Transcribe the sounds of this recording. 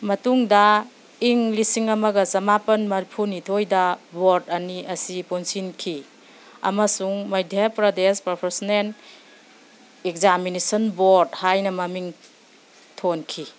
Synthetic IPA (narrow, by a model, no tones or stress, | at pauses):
mɐtuŋdɐ | iŋlisiŋɐmɐɡɐsɐmapɐnmɐɾipʰuɾnitʰojdɐboɾdɐniʔɐsiponsinkʰi | ɐ̰mɐsuŋmɐjdʱjepɾɐdespɐɾpʰeɾsnen | ekzaminisɐnboɾdhajnɐmɐmiŋ | tʰonkʰi